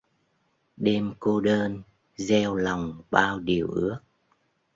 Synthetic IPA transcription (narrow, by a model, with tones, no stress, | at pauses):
ɗe˧mko˧ɗəː˧n | zɛ˧wla˨˩wŋ͡mɓaː˧wɗi˨˩əwʔɨ˦˥ək̚